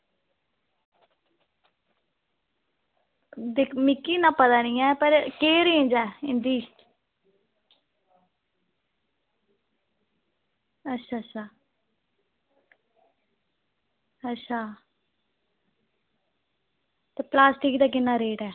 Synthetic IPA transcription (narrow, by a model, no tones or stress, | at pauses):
d̪ɪmɪkːiːnãːpət̪aːnĩːɛːpəɾkeːɾẽːnd͡ʒɛːɪnd̪iːs | ətːʃʰaːətːʃʰaː | ətːʃʰaː | t̪eːplaːsʈiːkd̪aːk̬ɪnːãːɾeːʈɛː